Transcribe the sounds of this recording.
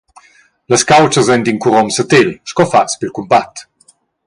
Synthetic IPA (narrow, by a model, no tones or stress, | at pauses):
ləskawt͡ʃəzɛnd̪iŋkuɾɔmsət̪elʃkɔfat͡spilkumbat̪